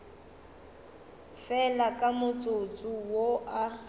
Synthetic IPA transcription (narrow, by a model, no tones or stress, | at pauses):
fɛlakʼamʊt͡sʼot͡sʼuwoʔa